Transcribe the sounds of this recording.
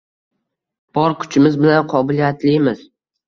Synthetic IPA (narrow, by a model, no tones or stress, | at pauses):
b̥ɒɾkʰʊ̥t͡ʃʰɪmɪzbɪlanqʰɒbɪlijat̪ʰlɪmɪz̥